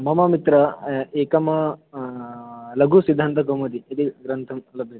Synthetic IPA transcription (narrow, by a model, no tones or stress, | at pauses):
mɐmɐmit̪ɾɐeːkɐmɐ | lɐɡusid̪ʱːɐːnt̪ɐkomud̪iɐt̪iɡɾɐnt̪ʰɐmlɐbʱjɐ